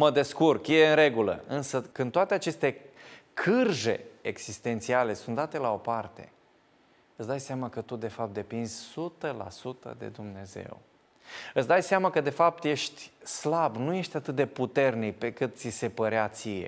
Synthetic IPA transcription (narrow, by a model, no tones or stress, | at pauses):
məd̪e̞skurkjeɨnɾe̞ɡulə̰ɨnsəkɨnt̪oat̪e̞at͡ʃe̞st̪e̞kʰɨrʒe̞eɡz̥ist̪e̞nt̪siale̞sunt̪d̪at̪e̞lao̞part̪e̞̰ | ɨt̪sd̪ajseamakət̪ud̪e̞fap̚t̪d̪e̞pinz̥ʲsut̪əla̰sut̪ə̰d̪e̞̰d̪umne̞ze̞̰w | ɨt̪sd̪ajseamakəd̪e̞fap̚t̪je̞ʃt̪ʲslabnuje̞ʃt̪ʲat̪ɨt̪̚d̪e̞put̪e̞rnik̚pe̞kɨt̪̚t̪sise̞pəɾeat̪sije̞̰